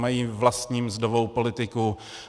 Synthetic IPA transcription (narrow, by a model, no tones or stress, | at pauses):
majiːvlast̪ɲiːmzdovowpo̞lɪt̪ɪku